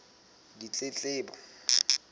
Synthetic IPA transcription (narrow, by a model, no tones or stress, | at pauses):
dit͡ɬʼet͡ɬʼɪːbɔ